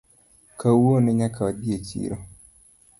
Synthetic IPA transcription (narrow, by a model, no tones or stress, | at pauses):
kawonɪɲakʰaabiet͡ʃḭːɾo